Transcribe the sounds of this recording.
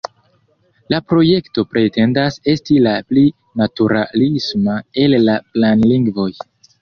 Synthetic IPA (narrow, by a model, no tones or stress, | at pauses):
lapɾo̞je̞kto̞pɾe̞te̞ndase̞stilapli | natuɾalismae̞lːaplanliŋɡvo̞j